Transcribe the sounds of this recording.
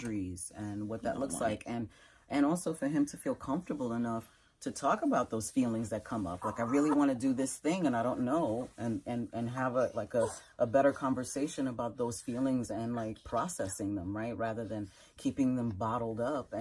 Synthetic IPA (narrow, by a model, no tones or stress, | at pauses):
ə˞iz̥ɨ̃nwʌt̪̚ðɨ̰ʔlʊkslaɪkɨ̃n | ʔɨ̃ñɔlˠsoʊfə˞ɨ̃mtʰɨfilˠkʰʌ̃ɱftə˞bl̩ˠənʌf | tʰɨtʰɔkəbaʊt̪̚ðoʊz̥filˠɪ̃ŋzðɨt̚kʰʌ̃mʌ̰plaɪkaɪɹɪlˠiwɑ̃ñɨdɨðɪsθɪ̃ŋɨ̃ñaɪɾõʊ̃nːoʊɨ̃nɨ̃nɨ̃nɨvəlaɪkəʔəbɛɾə˞kʰɑ̃ɱvə˞seɪʃɨ̃nəbaʊt̪̚ðoʊz̥filˠɪ̃ŋzɨ̃nlaɪk̚pʰɹ̥ɔsɛsɪ̃ŋðə̃mɹaɪt̚ɹæðə˞ðɨ̃n | kʰipɪ̃ŋðɨ̃mbɑɾl̩ˠdʌpɨ̃